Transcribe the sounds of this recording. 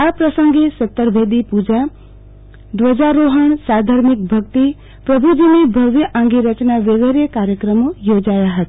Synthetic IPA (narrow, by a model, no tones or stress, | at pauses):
apɾəsəŋɡesət̪ːəɾbʱed̪ipud͡ʒa | d̪wəd͡ʒaɾoɦəɳ̃sad̪ʱəɾmik̚bʱʌkt̪i | pɾʌbʱud͡ʒinebʱʌʋjəʔãŋɡiɾət͡ʃnaʋeɡeɾekaɾjəkɾəmojod͡ʒajaɦʌt̪